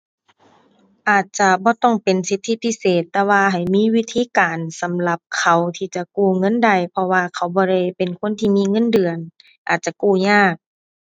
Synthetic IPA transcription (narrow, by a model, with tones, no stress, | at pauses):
ʔaː˨˩t̪̚t͡ɕa˧bɔː˧˦t̪ɔ˥˩ŋpe˨˩nsi˧˦t̪ʰːi˧˥pʰi˧˥˨seː˨˩t̪ːɛː˧waː˧ɦa˨˩jmiː˧˥˨wi˧˥t̪ʰiː˧˨kaː˨nsa˨˦mla˧p̚kʰa˨˩wt̪ʰiː˧˩t͡ɕa˨˧˨kuː˧˩ŋɤ˧˥˨nda˧˩jpʰɔ˧waː˧kʰa˧˩wbɔː˧ɾa˧˩˨jpe˨nkʰo˧˥˨nt̪ʰiː˧˨miː˧˥˨ŋɤ˧˥˨ndɯ˨˩ən | ʔaː˨˩t̪̚t͡ɕa˧kuː˧˩ɲaː˧˥˩k̚